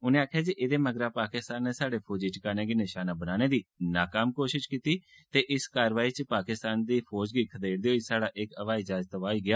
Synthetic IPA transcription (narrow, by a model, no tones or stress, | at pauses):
ʊnẽːaːkʰːjaːd͡ʒiʔeːd̪eːməɡɾaːpaːkɪst̪aːnːeːsaːɽeːpʰoːd͡ʒiːt͡ʃəkaːneːɡinɪʃaːnaːbənaːneːd̪iːnaːkaːmkoːʃɪʃkiːt̪iː | t̪eːʔɪskaːɾʋaːiːt͡ʃəpaːkɪst̪aːnd̪iːpʰɔːd͡ʒɡiːkʰəd̪eːɽd̪eːɦoːisaːɽaːʔɪkəʋaːiːd͡ʒaːd͡ʒt̪ʋaːiːɡɪjaː